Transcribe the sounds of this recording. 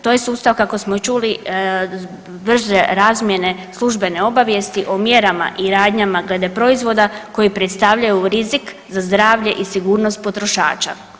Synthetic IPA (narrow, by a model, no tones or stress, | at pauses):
t̪oːje̞suːst̪aʋkako̞smot͡ʃuli | br̩ʒeɾaːzmje̞ne̞slˠuʒbe̞ne̞o̞baʋje̞st̪iʔomje̞ɾama̰ʔiɾaːd̪ɲamaɡle̞d̪e̞pɾo̞izʋo̞d̪ako̞jipɾet̪st̪aʋʎajuɾizikzazd̪ɾaːʋʎe̞ʔisiɡuːɾno̞st̪̚po̞t̪ɾo̞ʃa̰ːt͡ʃa̰